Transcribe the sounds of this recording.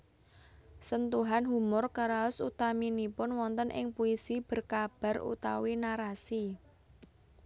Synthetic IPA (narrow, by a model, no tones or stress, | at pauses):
sənt̪uɦanɦumʊrkaɾaʊsut̪aminipʊnwɔnt̪ənʔɪ̰ŋpuisib̥ə̤rkab̥ä̤rṵt̪a̰winaɾasi